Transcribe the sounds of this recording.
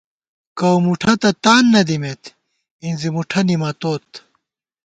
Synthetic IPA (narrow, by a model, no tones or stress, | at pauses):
kɐwmuʈʰɐt̪ɐt̪aːnːɐd̪imet̪ | inzimuʈʰɐnimɐt̪oːt̪